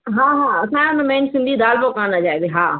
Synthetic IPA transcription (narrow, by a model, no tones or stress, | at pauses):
ɦãːɦãːɐsãːʊnmẽːnsɪ̃nd̪ʱid̪aːlbokaːnad͡ʒaːed̪eɦaː